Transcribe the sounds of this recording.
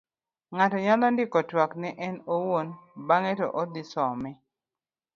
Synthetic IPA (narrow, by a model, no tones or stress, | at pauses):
ŋatɔɲalɔndɪkɔtwaknɛʔɛnowonbaŋɛtɔ̰ʔɔd̪ɪsɔmɛ